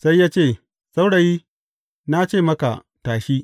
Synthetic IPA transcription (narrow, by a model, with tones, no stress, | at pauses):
sa˦jːaː˦t͡ʃeː˦˨ | sʼa˦wɽa˨jiː˦ | na˦t͡ʃeː˦˨mɐ˦ka̰˨ | taː˨ʃiː˦